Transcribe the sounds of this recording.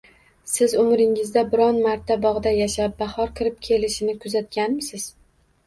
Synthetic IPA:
sɪzʊmɾɪŋɪzd̪abɪɾɒnmaɾt̪ʰːabɒʁd̪ajaʃap̚bahɒɾkʲʰɪɾɪp̚kʲʰe̞lɪʃɪnɪkʰʊzat̪̚ɡʲanmɪsɪz̥

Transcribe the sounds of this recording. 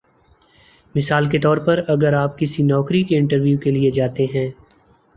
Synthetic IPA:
mɪsaːlket̪ɔːɾpɐɾɐɡəɾaːp̚kɪsinɔːkɾikeɪ̃ɳʈəɾʋjuːkelied͡ʒaːt̪eɦɛ̃ː

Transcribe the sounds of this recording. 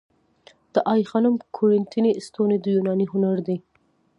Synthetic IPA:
d̪̥əʔɑjxɑnʊmkʰʊɾɪnt̪inest̪oned̪əjunɑniɦʊnaɾd̪i

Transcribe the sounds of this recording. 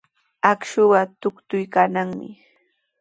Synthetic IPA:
akʃʊwat̪ʊkt̪ʊjkanaŋmɪ̰

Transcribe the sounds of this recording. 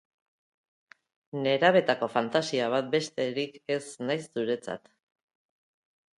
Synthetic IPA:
ne̞ɾaβ̞e̞t̪ako̞fant̪asiaβ̞at̪̚be̞st̪e̞ɾike̞snajsːuɾe̞t͡sa̰t̪

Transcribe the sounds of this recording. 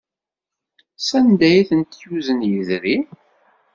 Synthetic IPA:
sænd̪æjiθənt̪juzənjəðɾi

